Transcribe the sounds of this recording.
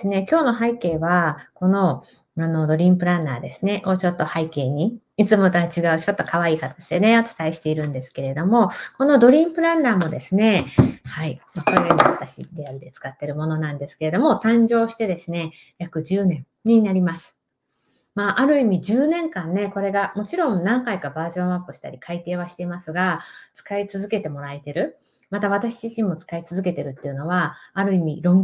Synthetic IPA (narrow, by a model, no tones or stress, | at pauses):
sɨne̞kʲo̞ːno̞ɦaike̞ːβako̞no̞ | ano̞d̪o̞ɾʲĩmpɯ̟ɾãnːaːd̪e̞sɨne̞ʔo̞t͡ɕo̞t̪ːo̞haike̞ːɲ̟i | it͡sɨmo̞t̪at͡ɕiɡaɯ̟t͡ɕo̞t̪ːo̞kaβ̞aiːkat̪o̥ɕi̥t̪e̞ne̞ot͡sɨ̥t̪aiɕi̥t̪e̞iɾɯ̟̃nd̪e̞sɨ̥ke̞ɾe̞d̪o̞mo̞ko̞no̞d̪o̞ɾʲĩmpɯ̟ɾãnːaːmo̞d̪esɨne̞haimakoɾeɡaɲiβat̪aɕḭd̪e̞aɾʲid̪e̞t͡sɨ̥kat̪ːe̞ɾɯ̟mo̞no̞nãnd̪e̞sɨ̥ke̞e̞d̪o̞mo̞t̪ãɲ̟d͡ʑo̞ːɕi̥t̪e̞d̪e̞sɨne̞ | jakɯ̟ʑɨːnẽ̞ɴ | ɲ̟inaɾʲimasɨ̥ | maːʔaɾɯ̟imʲiʑɨːnẽ̞ŋkãnːe̞ko̞ɾe̞ɡamo̞t͡ɕiɾõ̞nnãŋkaikabaːʑõ̞ɰ̃apːɯ̟ɕi̥t̪a̰ɾʲikʰait̪e̞ːβ̞aɕi̥t̪e̞imasɨɡat͡sɨ̥kait͡sɨzɨke̞t̪e̞mo̞ɾaet̪e̞ɾɯ̟ | mat̪aβ̞at̪aɕiʑiɕĩmmo̞t͡sɨ̥kait͡sɨzɨke̞t̪e̞ɾɯ̟t̪ːeiɯ̟no̞β̞aːɾɯ̟imʲiɾõ̞ŋ